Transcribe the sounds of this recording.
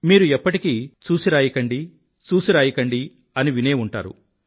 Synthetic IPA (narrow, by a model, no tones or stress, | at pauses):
miːɾuɛpːɐʈikit͡ʃuːsiɾaːjikɐɳɖi | t͡ʃuːsiɾaːjikɐɳɖi | ɐniʋine̞ːuɳʈa̰ːɾṵ